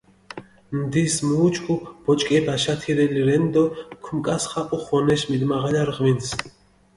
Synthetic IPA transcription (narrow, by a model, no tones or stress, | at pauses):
nd̪ismuːt͡ʃʼkʼub̥ɔt͡ʃʼkʼɛbaʃat̪ʰiɾɛliɾɛnd̪ɔkʰumkʼasχaʔʼuχɔnɛʃmid̪maʁaʎaɾʁvins